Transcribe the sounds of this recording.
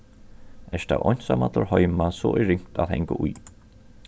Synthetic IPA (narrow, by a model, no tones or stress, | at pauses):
ɛst̪a̰wʔɔjn̥samat̪lɔɹhɔjmasɔ̰ːʔɪɹɪŋ̥t̪aðhɛŋkəʔuj